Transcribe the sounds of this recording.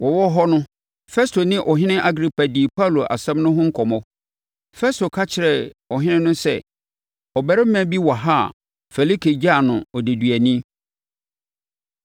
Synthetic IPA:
wɔ˨wɔ˦ɦɔ˦nʊ̃˦ | fɛ˦stʰo˨nɪ̃˦ʔɔ˨ɦɪ̃˦nɪ̃˦ʔa˦ɡɾi˨pa˨diː˨pʰa˦˨lo˨ʔa̰˨sɛ̃˦mnʊ̃˦ɦʊ̃˦ŋ̩˦kʰɔ˨mɔ̃˦ | fɛ˦stʰo˨kʰa˦t͡ɕʰɪ˨ɾɛ˨ɔ˨ɦɪ̃˦nɪ̃˦nʊ̃˦sɛ̰˦ | ɔ˨bɛ˨ɾɪ˦m̩˦mæ̃˦˨˦bi˦wa˨ɦa˦˨ | fɛ˨li˦kʰe˨d͡ʑa˦˨nʊ̃˨ɔ˨de˨dɥæ˨nĩ˦

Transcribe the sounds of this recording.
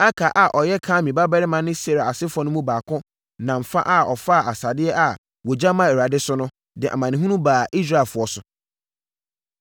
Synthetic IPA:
a˦kʰa˨ʔa˨ʔɔ˨jɛ˦kʰãː˦mĩ˨ba˦bɛ˦ɾɪ˦mã˨nɪ̃˦se˨ɾa˨a˨sɪ˦fɔ˨˦nʊ̃˦mũ˦baː˨kʰʊ̃˦ | nã˨m̩˨fa̰˦ʔa˦˨ɔ˨fa˦˨a˨sa˨dɪ˦ɛ˦ʔa˨ | wɔ˨d͡ʑa˦mã˨ɛ˨ɾa˨dɪ˦sʊ˦nʊ̃˦ | dɪ˨ʔa̰˨mã˨nɪ̃˨ɦũ˦nũ˦baː˨ʔi˦s̬ɾa˦˨fʊ˨˦ɔ˦sʊ˨

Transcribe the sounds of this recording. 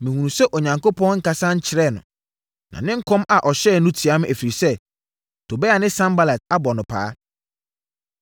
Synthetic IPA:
mɪ̃˨hũ˨nũ˨sɛ˦ʔo˨ɲã˨ŋko˦pʰɔ̃˦nŋ̩˦ka˨sã˦ɲ̩˦t͡ɕʰɪ˨ɾɛ˦˨nʊ̰̃˨ | nʔã̰˨nɪ̃˦ŋ̩˦kʰɔ̃˦ma˨ʔɔ˨ɕɛː˦˨nʊ̃˦tʰi˨a˦mɪ̃˦æ˨fi˨ɾi˨sɛ˦ | tʰo˨bɛ˦a˨nɪ̃˦sã˦mba˦la˨ta˦bɔ˨nʊ̃˨pʰa̰ː˦

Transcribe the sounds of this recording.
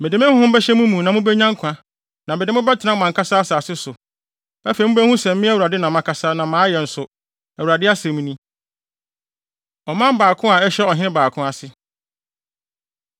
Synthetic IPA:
mɛ˨dɪ˨˦mɪ̃˦ʊ̃˦hʊ̃˦bɛ˦ɕɛ˦mũ˦mũ˨nã˨mũ˦bɛ˦ɲã˦ŋ˦kʷʰã˨ | nã˨mɛ˨dɪ˦m˦ɪ̃˦bɛ˦tʰɪ˨nã˦˨mã˨ŋkʰa˦sa˦a˦saː˨sɪ˦sʊ˨ | æ˦fe˨mũ˦bɛ˦hũ˦sɛ̃˨mː˦ĩ˦æ˦wu˨ɾa˨dɪ˦nã˨mã˨kʰa˨sa˦nã˨mãː˨˦jɛ˨n̩˨sʊ˨ | æ˨wu˨ɾa˨dɪ˦a˦sɛ̃˨mũ˦nĩ˦ | ɔ˨mã˦mbaː˨kʰʊ̃˦a˨ɛ˦ɕɛ˦ɔ˨ɦɪ̃˦ɪ̃˦baː˨kʰʊ̃˦a˨sɪ˦

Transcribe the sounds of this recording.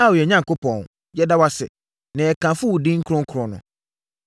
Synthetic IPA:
wɔ˨ɛ˨ɲã˦ŋko˦pʰɔ̃˨n | jɛ˦da˦wa˦sɪ̰˨ | nã˨ɛ˨kʰã˨fʊ˦wu˨dɪ̃˦ŋ̩˦kʰɾɔ̃˦ŋ̩˦kʰɾɔ̃˨nʊ̰̃˨

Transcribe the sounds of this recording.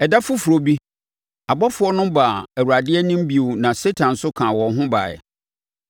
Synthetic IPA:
ɛ˨da˦fʊ˦fu˨ɾo˨bi˦ | a˨bɔ˦fʊ˨˦ɔ˦nʊ̃˦ba˨ɛ˨wu˨ɾa˨dɪ˦ɛ˦nɪ̃˦m˦bi˨˦˨u˨nã˨se˦tʰã˨nsʊ˦kʰã˨wɔ̃˨nɦʊ̃˦ba̰ː˨ɛ̰˨

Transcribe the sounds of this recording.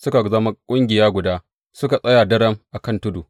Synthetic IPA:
sʊ˦ka˨zɐ˦ma˦kʷʼʊ˦ŋɡʲɪ˨jaː˦ɡʷʊ˨daː˦ | sʊ˦ka˨sʼɐ˦jaː˨dɐ˦ɾɐ˦mʔa˨kɐ˦ntʊ˦duː˨

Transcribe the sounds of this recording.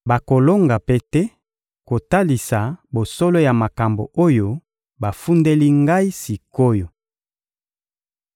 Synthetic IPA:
ba˨ko˨lo˦ŋɡa˨pe˦tɛ˦ | ko˨ta˦li˨sa˨bo˨so˦lo˦ja˨ma˨ka˨mbo̰˨ʔo˦jo˦ | ba˨fu˦nde˦li˦ŋɡa˦i˦si˨ko˦jo˨

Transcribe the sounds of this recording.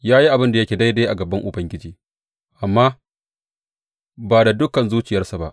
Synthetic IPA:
jaː˦ji˦ʔa˨bɪ˦nda˨jɐ˦kʲeː˨da˦jdeː˦ʔa˨ɡɐ˨bɐ˦ŋʔʊ˨bɐ˦ŋɡʲɪ˦d͡ʒiː˦ | ʔa˨mːaː˦ | baː˨da˨dʊ˦kɐ˨nzuː˦t͡ʃɪ˨jɐ˦rsa˨ba̰˦ʔ

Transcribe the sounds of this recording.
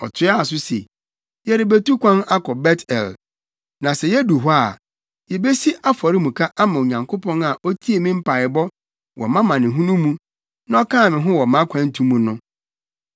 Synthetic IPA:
ɔ˨tʰɪ˦a˦˨s̬ʊ˦sḛ˨ | jɛ˦ɾɪ˨be˦tu˦kʷã˦na˦kʰɔ˨bɛ˦tʰɛ̰˨l | nã˨sɛ˨jɛ˦du˨ɦɔ˦a˨ | jɛ˨be˦si˦ʔa˦fɔ˨ɾɪ˦mũ˨kʰa˦ʔa˦mã˨o˨ɲã˨ŋkʰo˦pɔ̃˦na˨ʔɔ˦tʰi˦e˨mĩ˦m̩˦pʰa˨ɪ˨bɔ˦ | wʔɔ̰˨mã˦mã˨nɪ̃˨ɦũ˦nũ˦mũ˦ | nã˦ɔ˦kʰãː˦˨mɪ̃˨ɦʊ̃˦wɔ˨mã˦kʷʰã˦n̩˦tʰũ˦mːũ˨nʊ̃˦

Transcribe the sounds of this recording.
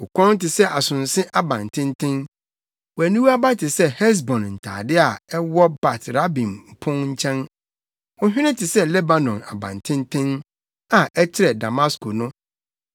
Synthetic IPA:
ʊ˨kʰʷɔ̃˦n˦tɪ˨sɛ˦ʔa˨sʊ̃˨n˨sɪ̃˦ʔa˦bã˨n˨tʰɪ̃˦n˦tʰɪ̃˦n | wɔ˨æ˨nũ˦wa˦ba˦tʰɪ˨sɛ˦hɛ˦s̬bɔ̃˨nn̩˨tʰa̰ː˨dɪ˦a˨ɛ˦wɔ˦ba˨tɾa˦bĩ˨m˨pʰʊ̃˦ŋɲ̩˦t͡ɕʰɛ̃˦n | ʊ̃˦ɦᶣɪ˦nɪ̃˦tʰɪ˨sɛ˦lɛ˦ba˨nɔ̃˨na̰˨bã̰˨n˨tʰɪ̃˦n˦tʰɪ̃˦n | a˨ɛ˦t͡ɕʰɪ˦ɾɛ˨da˨mã˦skʰo˨nʊ̃˦

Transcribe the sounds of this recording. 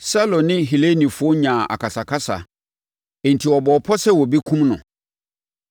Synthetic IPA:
sa˦lɔ̃˨nɪ̃˦ɦi˨le˦nĩ˨fʊ˦o˦ɲã˨ʔa̰˨kʰa˨sa˨kʰa˦sa̰˨ | e˨n̩˨tʰi˨ɔ˨bɔː˨pʰɔ˦sɛ˦wɔ˨bi˦kʰũ˦mnʊ̰̃˨

